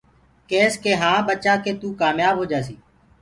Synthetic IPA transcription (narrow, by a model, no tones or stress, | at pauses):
keːskeːɦãːɓət͡ʃaːkeːt̪uːkaːmjaːbʱɦoːd͡ʒaːsiː